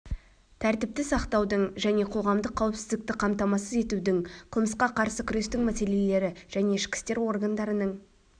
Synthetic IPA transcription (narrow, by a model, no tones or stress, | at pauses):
t̪ʰæɾt̪ɪp̚t̪ɪsɑqt̪ɑwd̪əɴʒæne̞qʰo̞ʁɑmd̪əqʰːɑwɪpsɪzd̪ɪk̚t̪ɪqʰɑmt̪ɑmɑsəze̞t̪ud̪ɪŋqʰəlˠməsqɑqʰɑɾsəkʲʰʏɾe̞st̪ɪŋmæse̞le̞le̞ɾɪʒ̥æne̞ɪʃkʲɪ̥st̪e̞ɾwo̞rɡand̪ɑɾənəɴ